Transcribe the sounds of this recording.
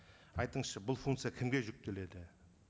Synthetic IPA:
ɑjt̪əɴsʃəbʊlˠfuŋkt̪sɨjakʲʰɪmɡʲe̞ʒʏk̚t̪e̞le̞d̪ɪ

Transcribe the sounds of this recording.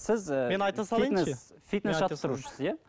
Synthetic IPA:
sɪzmenɑjt̪ɑsɑlˠijəfit̪̚nesʒɑt̪t̪ːəɾuʃə̥sja

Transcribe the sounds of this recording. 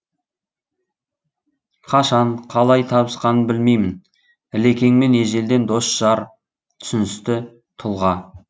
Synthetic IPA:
qʰɑʃɑɴqʰɑlˠɑjt̪ʰɑbəsqɑnənbɪlme̞jmɪn | ɪle̞kʲe̞ŋme̞neʒe̞ld̪e̞nd̪o̞sʒ̥ɑɾ | t̪ʰʏ̥sɪnɪst̪ɪ | t̪ʰʊlˠʁɑ

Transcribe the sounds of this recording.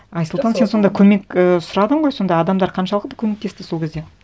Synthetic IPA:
ɑjsəlˠt̪ɑnse̞nso̞nd̪ɑjkʲʰɵme̞kəsʊɾɑd̪əɴʁo̞jso̞nd̪ɑjɑd̪ɑmd̪ɑɾqʰɑnʃɑlˠəqd̪akʲʰɵmekt̪e̞st̪ɪso̞lˠkʲezd̪e

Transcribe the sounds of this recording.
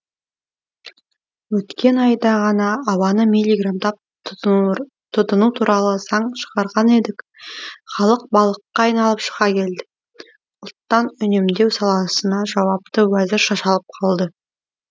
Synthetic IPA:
wɵt̪kʲe̞nɑjd̪ɑʁɑnɑːwɑnəmilʲːiɡramd̪ɑp̚ | t̪ʰʊd̪ənut̪ʰuɾʔɑlˠəsɑɴʃəʁɑɾʁɑne̞d̪ɪkχɑlˠəq̚bɑlˠəqːɑːjnɑlˠəpʃə̥ʁɑkʲʰe̞ld̪ɪ̥ | ʊlˠt̪ːɑnʏne̞md̪e̞wsɑlˠɑsənɑʒɑwɑp̚t̪əwæzɪɾʃɑʃɑlˠəp̚qʰɑlˠd̪ə

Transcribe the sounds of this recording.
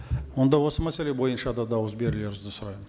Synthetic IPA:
wo̞nd̪ɑwo̞səmæsele̞bo̞jənʃɑd̪ɑd̪ɑwəzbe̞ɾɪle̞ɾʏzd̪ɪsʊɾɑjmən

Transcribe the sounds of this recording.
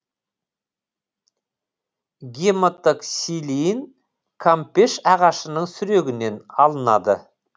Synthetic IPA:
ɡʲemət̪ːəksilin | kʰampeʃɑʁɑʃənəɴsʏɾe̞ɡʲɪne̞nɑlˠənɑd̪ə

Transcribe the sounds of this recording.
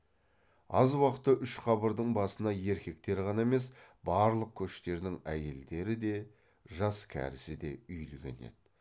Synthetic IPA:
ɑ̰zwɑqət̪ːəʔʏʃqʰɑbəɾd̪əɴbɑsənɑje̞ɾkʲe̞k̚t̪e̞ɾʁɑnɑeme̞sbɑɾlˠəq̚kʲʰɵʃt̪e̞ɾd̪ɪŋæje̞ld̪e̞ɾɪd̪e̞ | ʒɑskʲʰæ̰ɾɪsɪd̪e̞̰ʏjlɡʲe̞̰ne̞̰d̪̥ɪ

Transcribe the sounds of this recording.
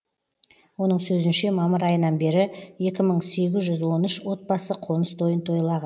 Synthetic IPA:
wo̞nəɴsɵzɪnʃe̞mɑməɾɑjənɑnbe̞ɾɪje̞kʲɪməɴse̞ɡʲɪzʒʏzwo̞nʏʃwo̞t̪̚bɑsəqʰo̞nəst̪ʰo̞jənt̪ʰo̞jlˠɑʁɑn

